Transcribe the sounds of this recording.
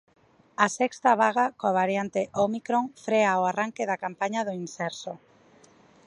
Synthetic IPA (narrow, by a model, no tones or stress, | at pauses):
asɛkst̪aβaɣ̞akoaβaɾjant̪eʔomikɾoŋfɾeaoaraŋkɪðakampaɲaðoinsɛɾso